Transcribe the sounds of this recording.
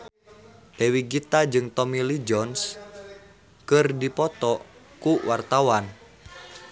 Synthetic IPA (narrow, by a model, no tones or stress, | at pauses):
ʔewiɡit̪ad͡ʒɨŋt̪ɔmilid͡ʒɔns | kɨrdipɔt̪ɔ | kuwart̪awan